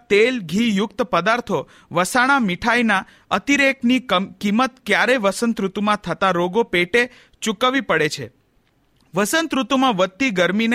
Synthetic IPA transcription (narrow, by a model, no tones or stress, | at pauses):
t̪elɡʱijʊkt̪pəd̪aɾt̪ʰo | ʋəsaɽ̃amɪʈʰajna | ət̪iɾeknikimət̪kjaɾeʋəsənt̪ɾut̪mãt̪ʰət̪aɾoɡopeʈe | t͡ʃukaʋipəɽet͡ʃʰḛ | ʋəsənt̪ɾut̪mãʋət̪ːiɡəɾmin